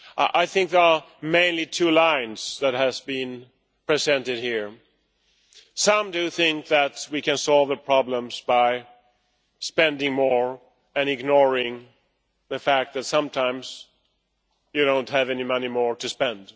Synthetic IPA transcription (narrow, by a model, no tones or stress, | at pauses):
ʔʔaɪθɪ̃ŋk̚ðə˞əmẽɪ̃nlitʰʉlãɪ̃nz̥ðɨt̚hɨzbĩn | pʰɹ̥izɛ̃ntɨd̚hiɹ | sʌ̃mdɨθɪ̃ŋk̚ðɨt̚wikɨ̃nsɔlˠvðəpʰɹ̥ɑblə̃mz̥baɪ | spɛ̃ndɪ̃ŋmɔɹ | ɨ̃nɨɡnɔɹɪ̃ŋ | ðɨfæk̚t̪̚ðɨtsʌ̃mtʰãɪ̃mz̥ | jɨɾõʊ̃ntɦɨvɛnimʌnimɔɹɾɨspɛ̃nd̥